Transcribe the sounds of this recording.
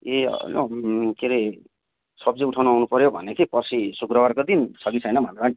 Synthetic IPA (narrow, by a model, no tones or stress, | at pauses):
ḛlokeɾi | sʌb̚d͡zʌuʈʰawnuawnupʌɾjobʱʌ̰nekipʌsʰisukrʌwarkod̪insʰʌɡisʰʌjnʌbʱʌnɾan